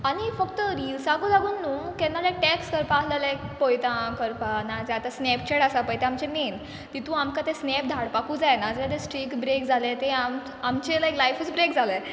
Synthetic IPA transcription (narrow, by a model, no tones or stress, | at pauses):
aɽ̃ifəkt̪əɾilsaɡuːd͡zaɡuːnːuːmkɛ̃nːalajk̚ʈekskəɾpaːɦlalajkpojt̪ãkəɾpanad͡zat̪asnɛp̚t͡ɕeɽasapəjt̪eamt͡ɕemen | t̪it̪ũamkat̪esnepd̪ʱaɽpakuːd͡zajenad͡zəat̪esʈɾikbɾekd͡zʱalẽt̪eam | amt͡ɕelajklajfət͡sbɾekd͡zʱalẽ